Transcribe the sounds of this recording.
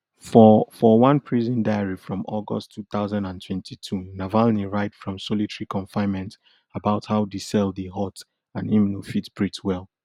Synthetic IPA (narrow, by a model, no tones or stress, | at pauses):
fɔfɔwʌ̃npʰɹizə̃ndaɪəɹifɹɔ̃mɔɡɔ̰stʰːuθaʊzãndãntʰwɛ̃ntʰitʰunavalniɹaɪtfɹɔ̃msɔlitɛɹikʰɔ̃ɱfãɪ̃nmɛ̃nt | əbaʊthaʊdisɛlˠdeɦɔt | ãnĩmnufitbɹitwɛlˠ